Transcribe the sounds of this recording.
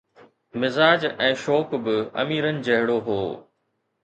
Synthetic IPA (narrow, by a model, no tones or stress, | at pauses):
mɪzaːd͡ʑɛ̃ːʃɔːkbɪɐ̰miːɾənɪ̆d͡ʑɐɦɪɽoɦoː